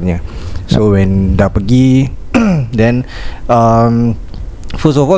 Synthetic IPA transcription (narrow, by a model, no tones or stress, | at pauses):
ɲasowɛ̃ndaʔ̚pəɡi | dɛ̃nəm | fɔsɔfɔ